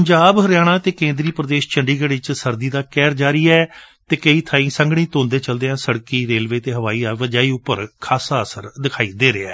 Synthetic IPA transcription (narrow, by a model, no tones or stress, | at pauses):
əɲd͡ʒaːbɦəɾjaːɽ̃ãːt̪eːkẽːnd̪ɾiːpɾəd̪eːʃt͡ʃʰəɳɖiːɡəɽɪt͡ʃsəɾd̪iːd̪aːkɛːɾd͡ʒaːɾiːɛː | t̪eːkəiːt̪ʰaːĩːsə̃ŋɡɽ̃ĩːt̪õːnd̪eːt͡ʃəld̪eːãːsəɽkiːɾeːlʋeːt̪eːɦəʋaːiːaːʋəd͡ʒaːiːʊpːəɾkʰaːsaːəsəɾd̪ɪkʰaːiːd̪eːɾeːɛ̰ː